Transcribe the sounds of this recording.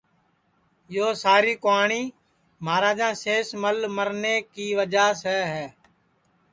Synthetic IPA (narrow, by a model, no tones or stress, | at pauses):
joːsaːɾiːkoaːɳiː | maːɾaːd͡ʒãːseːsməlməɾneːkiːʋəd͡ʒaːsɛːɦɛː